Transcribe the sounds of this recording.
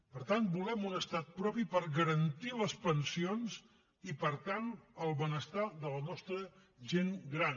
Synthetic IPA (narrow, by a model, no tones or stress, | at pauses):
pəɾt̪ant̪bulɛmunəst̪at̪̚pɾɔpipəɾɣəɾənt̪iləspənsionz | ipəɾt̪anəlˠβənəst̪aðələnɔst̪ɾə | ʒenɡɾan